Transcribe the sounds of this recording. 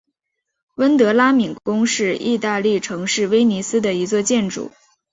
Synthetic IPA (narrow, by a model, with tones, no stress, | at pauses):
wə˥nt̪ɤ˧˥la˥mi˨˩nkʊ˥ŋʂɻ̩˥˧i˥˧t̪a˥˧li˥˩ʈ͡ʂʰɤ˧˥ŋʂɻ̩˥˩we˥ɪni˧˥sɹ̩˥d̪ə˨i˧˥t͡swɔ˥˧t͡ɕjɛ˥˩nʈ͡ʂṵ˨˩˦